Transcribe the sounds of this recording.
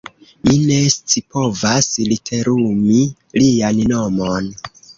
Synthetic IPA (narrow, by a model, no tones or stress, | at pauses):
mine̞st͡sipo̞vaslitʰe̞ɾumi | lianno̞mon